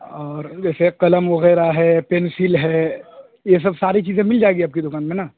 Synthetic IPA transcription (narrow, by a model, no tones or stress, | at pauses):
ɔːɾd͡ʒɛːseqɐləmʋɐɣɛːɾaɦɛːpɛːnsɪlɦɛː | jes̬ɐbsaːɾit͡ʃiːzẽmɪld͡ʒaːeɡiaːp̚kid̪ʊkaːnmẽna